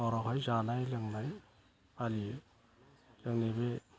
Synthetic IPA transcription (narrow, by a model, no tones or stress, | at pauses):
ɔɾɔɦɔjzanajleŋnaj | ali | leŋnebe